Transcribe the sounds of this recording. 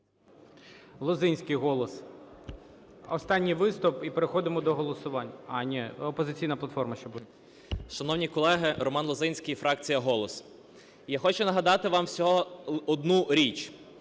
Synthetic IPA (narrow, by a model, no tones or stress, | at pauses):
lˠɔzɪnʲsʲkɪjɦɔlˠɔs | ɔst̪ɑnʲːijʋɪst̪ʊpipeɾexɔd̪ɪmɔd̪ɔɦɔlˠɔsʊʋɑnʲɑnʲɛɔpɔzɪt͡sʲijnɐplˠɐt̪fɔrmɐʃt͡ʃɔbʊ | ʃɐnɔwnʲikɔlˠɛɦɪrɔmɑnlˠɔzɪnʲsʲkijfɾɑkt͡sʲijɐɦɔlˠɔs | jaxɔt͡ʃʊnɐɦɐd̪ɑt̪ɪʋɑmsʲɔɦɔɔd̪nuɾʲit͡ʃ